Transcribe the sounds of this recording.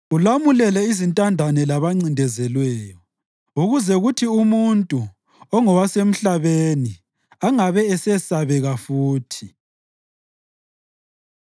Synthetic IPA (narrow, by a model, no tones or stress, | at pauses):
ulamulɛlɛizintʼandʱanɛlaβaŋ͡ǀindʱɛzɛlwɛːjɔ | uɣuzɛɣutʰiumuntʼu | ɔŋɔwasem̩ɬaβeni | aŋaβɛɛsɛsaβɛɣafuːtʰi